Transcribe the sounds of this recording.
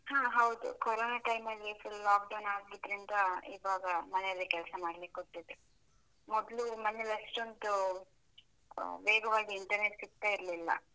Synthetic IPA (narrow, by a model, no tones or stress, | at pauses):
hãːɦɐwd̪ṵkɔɾoːnaːʈɐjmɐlːifulaːkɖɐwnaːɡɡid̪ɾind̪ɐiʋaːɡɐmɐnejɐlːekɛlsɐmaːɖlikːoʈːid̪ɾu | mɔd̪lumɐnelɐʂʈont̪u | ʋeːɡɐʋaːɡiːɳʈɐɾneʈsik̚t̪ːaːiɾlilːɐ̰